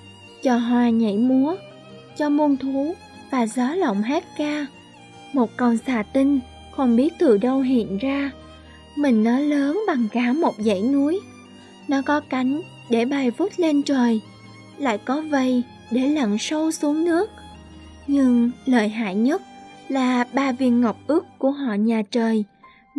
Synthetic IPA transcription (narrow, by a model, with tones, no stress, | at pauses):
t͡ɕɔ˨˧˩ɦwaː˨˩ɲə̰˧˩jmu˨˦ə | t͡ɕɔ˧mu˧ənt̪ʰu˨˦ | vaː˨˩zaː˨˦lə̰˧˨wŋ͡mɦe˦˥t̚kaː˧ | mo˨˩t̚kə˨˩wsaː˧˩t̪ï˧ŋ̟ | xə˧wŋ͡mɓi˦˥ət̚t̪ɨ˨˩ɗə˧wɦḭ˧˨ənzaː˧ | mï˨˩ŋ̟nɔ˨˦ləː˨˦nɓa˨˩ŋkaː˧˩mo˨˩t̚zə̰˧˥˨jnu˨˦əj | nɔ˨˦kɔ˨˦ka˨˦jŋ̟ | ɗe˧˩ɓa˨˩jvu˦˥t̚le˧nt͡ɕəː˨˩j | la̰ː˧˨jkɔ˨˦və˧˩j | ɗe˧˩lə˨˩ŋsə˧wsu˨˦əŋnɨ˦˥ək̚ | ɲɨ˧ŋləː˨˩jɦa̰ː˧˨jɲə˦˥t̚laː˨˩ɓaː˧vi˧˩ənŋə˨˩wk͡p̚ʔɨ˦˥kkːu˧˩əɦɔ̰˧˨ɲaː˨˩t͡ɕəː˨˩j